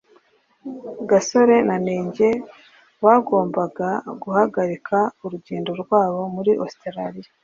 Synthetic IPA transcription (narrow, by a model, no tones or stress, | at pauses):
ɡaso̞ɾe̞nane̞ːɲɟe | βaɡo̞ːmbaɡaɡuhaɡaɾikʰauɾuɟeːndo̞ɾɡwaːβo̞muɾiʔosteɾaɾija